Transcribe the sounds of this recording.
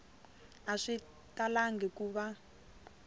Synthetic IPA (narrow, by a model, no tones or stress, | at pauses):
aʂi | talaŋɡʱɛkuβa